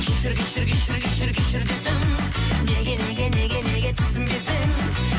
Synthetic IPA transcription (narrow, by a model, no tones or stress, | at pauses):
kʲʰeʃɪɾɡʲeʃɪɾɡʲeʃɪɾɡʲɪʃɪɾɡʲɪʃɪɾd̪ed̪ɪmneɡʲeneɡʲene̞ɡʲene̞ɡʲet̪ʰɪzɪmɡʲed̪ɪm